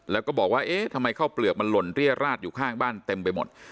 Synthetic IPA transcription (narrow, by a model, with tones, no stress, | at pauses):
lɛː˦˥kɔː˥˩bɔː˨˩k̚waː˥˩ʔeː˦˥˩t̪ʰa˧mːa˧jkʰaː˥˩wplɯ˨˩k̚ma˧nlo˧nɾi˥˩əɾaː˥˩t̪̚juː˨˩kʰaː˥˩ŋbaː˥˩nt̪e˧mpa˧jmo˨˩t̪̚